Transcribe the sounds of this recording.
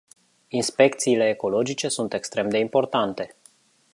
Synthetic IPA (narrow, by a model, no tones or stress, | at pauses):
inspe̞kt̪siːle̞ːko̞lo̞d͡ʒit͡ʃe̞sunt̪e̞kst̪ɾe̞md̪e̞impo̞rt̪ant̪e̞